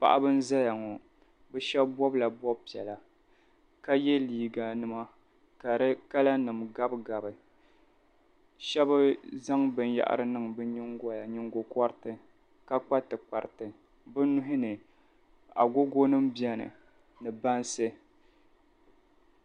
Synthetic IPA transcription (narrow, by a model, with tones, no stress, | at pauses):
pa̰˨ʔa̰˦bɨ˦n̩˦za˦ja˨ŋɔ˨ | bɛ˦ʃɛ˦bbɔ˦bla˨bɔ˦b̚pi˨ɛ̰˨la˨ | ka˦jɛ˦liː˨ɡa˨nɨ˦ma˦ | ka˨ɾɨ˦ka˦la˦nɨ˨mɡa˦bɡa˨bɨ˨ | ʃɛ˦bɨ˦za˦ŋbɨ˦nja̰˨ʔa̰˦ɾɨ˦nɨ˦˨ŋbɨ˦ɲi˦ŋɡɔ˦ja˨ɲɪ˦ŋɡo˦kɔ˦ɾtɨ˨ | ka˦k͡pa˦tɨ˨k͡pa˨ɾtɨ˨ | bɨ˦nʊ˦ɦɪ˦nɨ˨ | a̰˨ɡo˦ɡo˦nɨ˦mbi˦ɛ˦nɨ̰˨ | nɨ˨ba˦nsɨ˦